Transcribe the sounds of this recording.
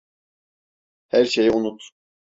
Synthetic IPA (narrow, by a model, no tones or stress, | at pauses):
hæɾʃejiunut̪